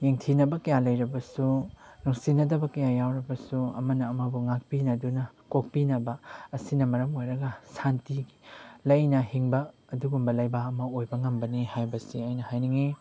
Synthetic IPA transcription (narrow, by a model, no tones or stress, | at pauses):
jeŋtʰinɐbɐkɐjalɐjɾɐbɐsunuŋsinɐdɐbɐkɐjajawɾɐbɐsuɐ̰mɐnɐːmɐbuŋak̚pinɐdunɐkok̚pinɐbɐːsinɐmɐɾɐmojɾɐɡɐsantilɐjnɐhiŋbɐ | ɐduɡumbɐlɐjbaɐmɐojbɐŋɐmbɐnihajbɐsiajnɐhajniŋi